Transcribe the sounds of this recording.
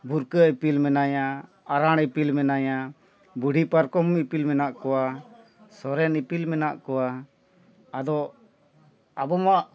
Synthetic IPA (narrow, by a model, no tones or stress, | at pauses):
buɾkəipilmɛnaja | aɾaɽipilmɛnaja | buɖʱipaɾkɔmipilmɛnaʔkɔwa | sɔɾɛnipilmɛnaʔkɔwa | ad̪ɔ | abɔmaʔ